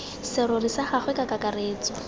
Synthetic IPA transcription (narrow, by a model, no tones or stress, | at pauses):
sɪɾʊrisaχaχwɛkakakareːt͡sɔ